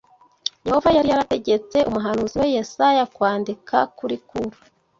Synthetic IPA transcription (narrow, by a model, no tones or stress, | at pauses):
jeho̞vajaɾijaɾate̞ɟe̞t͡se̞ʔumuɦanuːziwe̞jesajakwaːndikʰakuɾikuɾu